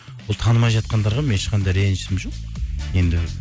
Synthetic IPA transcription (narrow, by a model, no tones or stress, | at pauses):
wolˠt̪ʰɑnəmɑjʒɑt̪̚qɑnd̪ɑɾʁɑmeeʃqɑnd̪ɑjɾenʃɪsɪmʒo̞qje̞nd̪ɪ